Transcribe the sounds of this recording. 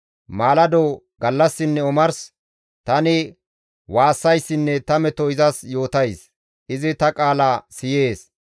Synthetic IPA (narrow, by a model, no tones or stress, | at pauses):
maːlɐd̪oː | ɡɐlːɐsːɪnːɛʊmɐɾs | t̪ɐnɪ | waːsːɐjsːɪnːɛt̪ɐmɛt̪ɔɪzɐsjo̞ːt̪ɐjs | ʔɪzɪt̪ɐkʼaːlaːsɪje̞ːs